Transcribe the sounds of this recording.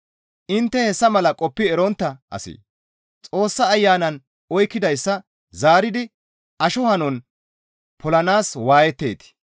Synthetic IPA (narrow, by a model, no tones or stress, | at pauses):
ʔɪnt̪ːɛhɛsːɐmɐlɐkʼɔpːɪɛɾɔnt̪ːɐʔɐ̰sḭː | t͡sʼo̞ːsːɐːjːaːnɐn | ɔjkːɪd̪ɐjsːɐ | zaːɾɪd̪ɪ | ʔɐʃɔhɐnɔn | pʰɔlɐnaːswaːjɛt̪ːḛːt̪ɪ̥